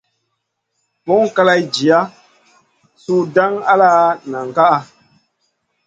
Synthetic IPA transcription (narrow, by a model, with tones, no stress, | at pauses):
pɔ˦ŋ˦ka˦la˦jd͡ʒi˨a˦ | su˦da˦ŋa̰˦laː˦na˨ŋ˨ka˦ʔa˦